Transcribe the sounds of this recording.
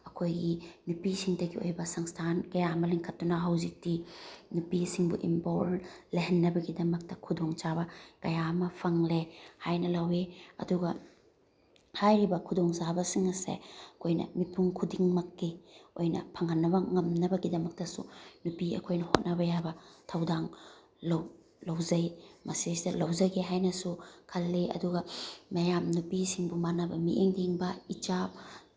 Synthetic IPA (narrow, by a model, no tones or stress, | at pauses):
ɐkʰojɡinupisiŋdɐɡio̰jbɐsɐŋstʰankɐjamɐliŋkʰɐtːunɐɦɐwzik̚tinupisiŋbṵʔḭmpoɾleɦenːɐbɐɡidɐmɐk̚tɐkʰudoŋt͡ʃabɐkɐjamɐpʰɐŋlehajnɐlɐweɐ̰duɡɐ | hajɾibɐkʰudoŋzabɐsiŋɐsḛkʰojnɐ̰mipʰuŋkʰudiŋmɐkːiojnɐ̰pʰɐŋhanːɐbɐŋɐmnɐbɐɡidɐmɐk̚tɐsṵnupiɐ̰kʰojnɐhot̚nɐβɐjabɐtʰɐwdaŋ | law | lɐwzɐjmɐsisidɐlɐwzɐɡeɦajnɐsukʰɐlːeɐ̰duɡɐmɐjamnupisiŋbumanɐbɐmiʔeŋdiŋbɐit͡ʃap̚